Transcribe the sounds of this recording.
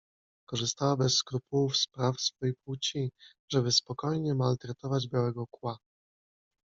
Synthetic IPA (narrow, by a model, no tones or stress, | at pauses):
kɔʐɘst̪awabɛsːkɾupuufspɾafsfɔjepwut͡ɕi | ʐɛbɘspɔkɔjɲɛmalt̪ɾɛt̪ɔvad͡ʑbʲjawɛɡɔkwa